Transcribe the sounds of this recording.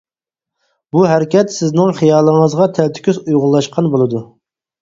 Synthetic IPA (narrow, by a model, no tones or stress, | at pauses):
buɦæɾɪkʲɛt̪sɪznɪŋχijɑːlˠəŋəzʁɑt̪ʰælt̪ʰy̥kʲyzujʁʊlˠːɑʃqʰɑnbolˠɨd̪u